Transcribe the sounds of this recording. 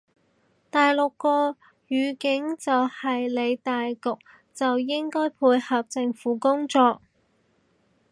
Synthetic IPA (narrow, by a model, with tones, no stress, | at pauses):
t̪aː˨jlʊ˨kːɔː˧ | jyː˨˧kɪ˨˥ŋt͡sɐ˨whɐ˨jle˨˧jt̪aː˨jkʊ˨k̚ | t͡sɐ˨wjɪ˥ŋkɔː˥jpʰuː˧jhɐ˨p̚t͡sɪ˧ŋfuː˨˥kʊ˥ŋt͡sɔː˧k̚